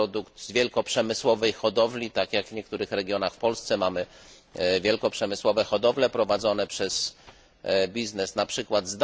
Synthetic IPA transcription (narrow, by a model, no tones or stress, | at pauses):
ɔd̪ukt̪zvʲjɛlkɔpʂɛmɘswɔvɛjxɔd̪ɔvlʲit̪akjaɡvɲɛk̚t̪uɾɘxɾɛɡʲjɔnaxfpɔlst̪sɛmamɘ | vʲjɛlkɔpʂɛmɘswɔvɛxɔd̪ɔvlɛpɾɔvad̪zɔnɛpʂɛz | bʲiznɛsnapʂɘkwad̪zd̪